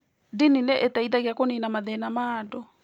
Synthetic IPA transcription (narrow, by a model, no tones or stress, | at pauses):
dinineʔetaiðaɣeakoninamaðɛnamaːdɔ